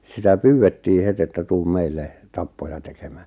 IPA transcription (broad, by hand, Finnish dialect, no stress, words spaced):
sitæ pyːwetːiː het etːæ tuːm meilːe tɑpːojɑ teke̥m̥æ̥ː